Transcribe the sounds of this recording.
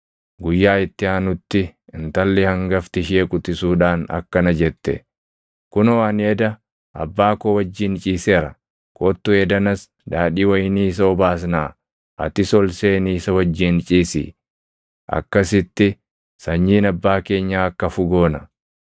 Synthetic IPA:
ɡʊjːaːɪt̪ːɪaːnʊt̪ːɪɪnt̪ɐlːɛhɐŋɡɐft̪ɪʃeːkʼʊt̪ɪsuːᶑaːnɐ̰kːɐnɐd͡ʒɛt̪ːɛ̰ | kʊnɔwaːneːd̪ɐ | ʔɐ̰bːaːkoːwɐd͡ʒːint͡ʃʼiːseːɾɐ | kʼoːt̪ːʊed̪ɐnɐs | d̪aːᶑiːwɐjɪniːs̬ɐɔbaːs̬naː | ʔɐ̰t̪ɪsɔlseːniːsɐwɐd͡ʒːiːnt͡ʃʼiːsḭː | ʔɐ̰kːɐsɪt̪ːɪ | sɐɲːiːnɐbːaːke̞ːɲːaːɐkːɐfʊɡoːnɐ

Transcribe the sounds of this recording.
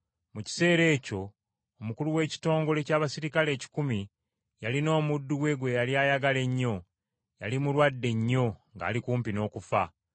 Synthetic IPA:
muci̥se̞ːɾe̞ːco̞ː | mukuluwe̞ːci̥to̞ːŋɡo̞le̞caːβasiɾikale̞ːci̥kumi | jalino̞ːmudːuwe̞ɡwe̞jaljaːjaɡale̞ɲːo̞ | jalimulwadːe̞ɲːo̞ŋɡa̰ːlikuːmpino̞ːkufa

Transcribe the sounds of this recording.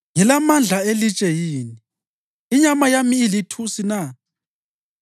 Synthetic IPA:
ŋɛlamand͡ɮʱaelit͡ʃʼɛjiːniː | ɲamajamiːlitʰusina

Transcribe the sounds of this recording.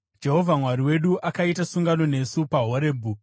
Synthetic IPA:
d͡ʒe̞ɦo̞vʱamwaɾiwe̞ɗuʔakaitasuŋɡano̞ne̞supaɦoɾeːbʱu

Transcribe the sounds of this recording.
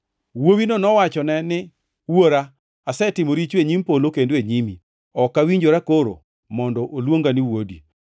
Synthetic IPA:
wowinonɔwat͡ʃɔnɛnɪ | woɾa | asɛtɪmoɾit͡ʃweɲimpolokendoeɲimi | ɔkawiɲd͡ʒoɾakoɾo̰ | mɔndɔʔolwoŋɡaniwodi

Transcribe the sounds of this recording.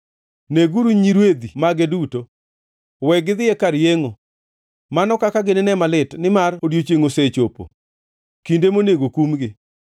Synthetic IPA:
neɡuɾuɲiɾwed̪imaɡeduto | wɛɡɪd̪ɪjekaɾjeŋo | manɔkakaɡɪnɪnɛmalɪtnɪmarodjot͡ʃeŋoset͡ʃopo̰ | kindemoneɡokumɡɪ

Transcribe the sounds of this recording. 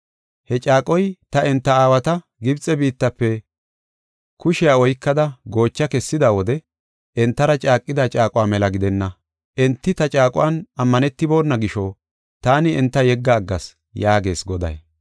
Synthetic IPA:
hɛt͡ʃʼaːkʼɔjt̪ɐɛnt̪ːɐaːwɐt̪ɐ | ɡɪbt͡sʼɛbiːt̪ːɐpːɛ | kʊʃɪjaːɔjkːɐd̪ɐɡo̞ːt͡ʃːɐkɛsːɪd̪aːwɔd̪ɛ | ɛnt̪ːɐɾɐt͡ʃʼaːkʼːɪd̪ɐt͡ʃʼaːkʼʊwaːmɛlɐɡɪd̪ɛnːɐ | ʔɛnt̪ːɪt̪ɐt͡ʃʼaːkʼʊ̰wanɐmːɐnɛt̪ːɪbo̞ːnːɐɡɪʃɔ | t̪aːnɪɛnt̪ːɐjɛɡːɐːɡːɐs | jaːɡe̞ːsɡɔd̪ɐ̰j

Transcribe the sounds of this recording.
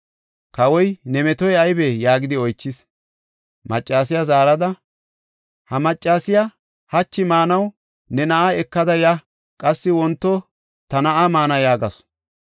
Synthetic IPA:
kɐwɔjnɛmɛt̪ɔjɐjbejaːɡɪd̪ɪɔjt͡ʃːɪs | mɐt͡ʃʼːaːs̬ɪjazaːɾɐd̪ɐ | hɐmɐt͡ʃʼːaːsɪja | hɐt͡ʃːɪmaːnɐw | nɛnɐʔaɛkːɐd̪ɐjɐ | kʼɐsːɪwɔnt̪ːɔ | t̪ɐnɐʔamaːnɐjaːɡɐs

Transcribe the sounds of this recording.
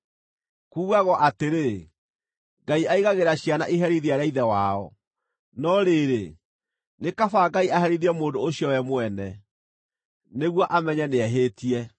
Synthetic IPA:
kuːɣaɣɔʔateɾe | ŋɡaiaiɣaɣeɾaɕiana̰ʔiɦɛɾiðiaɾɛiðɛwaɔ̰ | nɔɾeːɾe | nekafaɡaiaɦɛɾiðiɛmoːndooɕjɔwɛmwɛnɛ | neɣwɔʔamɛɲɛneɛɦeːtiɛ

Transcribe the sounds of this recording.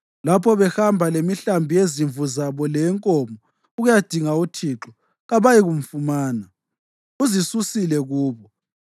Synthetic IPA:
lapʰɔβɛxambʱalemiɬambʱijeziɱvuzaβɔlɛŋkʼɔmɔ | uɣujad̥ʱiŋautʰiːǁɔ | ɣaβajiɣum̩fumaːna | uzisusilɛɣuːβɔ

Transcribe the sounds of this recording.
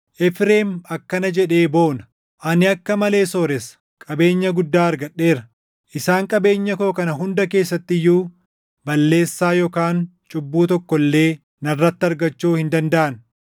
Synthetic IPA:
ʔɛfɾe̞ːmɐkːɐnɐd͡ʒɛᶑe̞ːbo̞ːnɐ | ʔɐnɪɐkːɐmɐle̞ːso̞ːɾɛs | kʼɐbe̞ːɲːɐɡʊd̪ːaːɐɾɡɐɗːe̞ːɾɐ | ʔɪsaːŋkʼɐbe̞ːɲːɐko̞ːkɐnɐɦʊnd̪ɐke̞ːsːɐt̪ːɪjːuː | bɐlːe̞ːsːaːjɔːkaːnt͡ʃʼʊbːuːt̪ɔkːɔlːe̞ː | nɐrːɐt̪ːɪɐɾɡɐt͡ʃːuːhɪnd̪ɐnd̪ɐʔɐn

